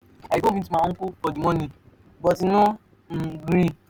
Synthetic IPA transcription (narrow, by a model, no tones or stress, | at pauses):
aikoiumaŋ̩kuɔdimɔni | bɔtino | m̩ɡɾi